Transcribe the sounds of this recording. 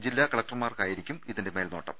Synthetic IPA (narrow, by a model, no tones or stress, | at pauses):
d͡ʑilːaːkɐɭɐk̚ʈrmaːrkaːjiɾikʲːumiðinde̞me̞ːlnoːʈːɐ̰m